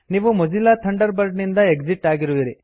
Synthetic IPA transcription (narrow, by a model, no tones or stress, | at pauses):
niːʋumɐd͡ʒilːaːt̪ʰɐɳɖɐɾbɐɾɖnind̪ɐe̞ɡd͡ʒiʈːaːɡiɾuʋiɾi